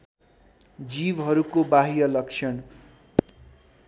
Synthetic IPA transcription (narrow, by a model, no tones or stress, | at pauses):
d͡zibɦʌɾukobaɦijʌlʌkt͡ʃʰʌɳ